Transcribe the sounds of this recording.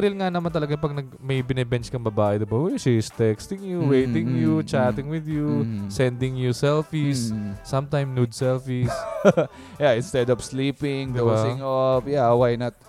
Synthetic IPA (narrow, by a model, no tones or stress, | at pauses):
ɾɪlŋanɐmant̪ɐlɐɡaŋpɐɡ̚nɐɡ̚mɐjbɪnɛbɛnt͡ʃkɐŋbɐbaːʔɛd̪ɪbɐojsist̪ɛkst̪ɪŋjuwejt̪ɪ̃ŋjut͡ʃaːt̪ɪŋwɪd̪jusɛnd̪ɪŋjusɛlfisːɐ̃mt̪ajmnud̪sɛlfis | jaʔɪ̃nst̪ɛd̪ɔpsliːpɪŋd̪obasɪŋɔfjawajnɐt̪̚